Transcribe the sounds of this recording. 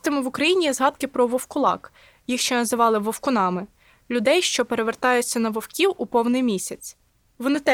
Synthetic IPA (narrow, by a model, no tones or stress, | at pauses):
t̪ɪmɪʋʊkɾɐjinʲijɛzɦɑd̪̚kɪpɾɔʋɔwkʊlˠɑ̰k | jixʃt͡ʃɛnɐzɪʋɑlˠɪʋɔwkʊnɑmɪ | lʲʊd̪ɛjʃt͡ʃɔpeɾeʋert̪ɑjʊt͡sʲːɐnɐʋɔwkʲiwʊpɔwnɪjmʲisʲɐt͡sʲ | ʋɔnɪt̪ɛ